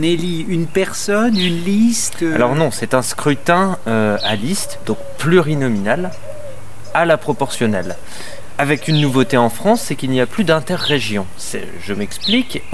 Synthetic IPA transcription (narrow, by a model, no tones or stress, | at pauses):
neli | ynpɛʁsɔnynlist̪a̰lɔʁnɔ̃sɛt̪ɛ̃skχyt̪ɛ̃øalist̪d̪ɔ̃k̚plyʁinɔminal | alapχɔpɔʁsjɔnɛl | avɛkynːuvot̪eɑ̃fχɑ̃sːɛkilniaplyd̪ɛ̃t̪ɛʁːeʒjɔ̃sɛ̰ | ʒəmɛksplik